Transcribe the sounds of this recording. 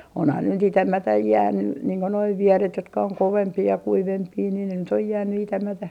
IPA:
onhɑn ne nyt itæmætæj jæːnːy niːŋ ko noi ʋieret jotkɑ oŋ koʋempiː jɑ kuiʋempiː ni ne nyt oj jæːny itæmætæ

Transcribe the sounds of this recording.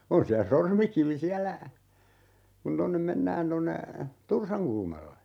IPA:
on siæ sormikiʋi siælːæ kun tonːem menːæːn tonːe tursɑŋkulmɑlːe

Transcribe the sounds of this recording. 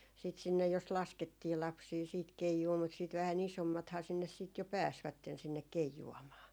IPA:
sit sinːej jos lɑsketːiː lɑpsiː siːt keijuː mut siːt ʋæhæn isomːɑthɑː sinːes siːt jo pæːsʋætːen sinːek keijuɑmɑː

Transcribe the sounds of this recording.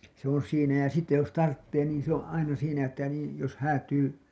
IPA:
se on̞ siːnæ jɑ sitːe jos tɑrtːeː niːn se õː ʔɑinɑ siːnæ etːæ niːn̞ jos hæːtyː

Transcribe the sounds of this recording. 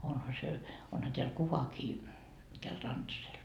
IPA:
onhɑ se onhɑ teæl kuʋɑkiː tæl rɑntɑsel

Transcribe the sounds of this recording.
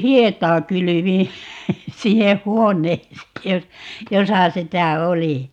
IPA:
hietˑɑː kylyʋĩː sinːeh̆ huonˑeːseː jos josɑ sitæ oli

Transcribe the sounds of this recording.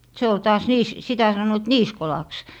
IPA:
se ol tɑːs niːs sitæ sɑnːoit niːskolɑks

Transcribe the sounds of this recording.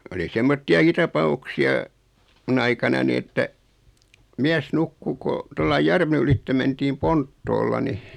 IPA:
oli semːotːiɑki tɑpɑuksiɑ mun ɑikɑnɑni etːæ miæs nukːu ko tolːɑi jærʋen ylitːe mentiːm pontːoːlːɑ ni

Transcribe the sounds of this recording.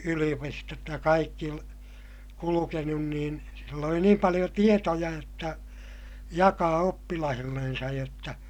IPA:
yliopistot jɑ kɑikːi kulukenun niːn silː oli niːm pɑlij̆o tietojɑ jotːɑ jɑkɑː opːilɑhilːensɑj jotːɑ

